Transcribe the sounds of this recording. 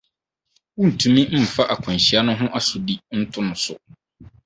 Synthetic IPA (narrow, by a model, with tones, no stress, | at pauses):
wũ˦n̩˨tʰũ˨mĩ˦m̩˦m̩˨fa˦ʔa˨kʷʰɔ̃˨n˨ɕɪ˨˦a˦nʊ̃˦ɦʊ̃˦ʔa˦sʊ˨di˦n̩˦tʰʊ˦nʊ̃˨sʊ̰˨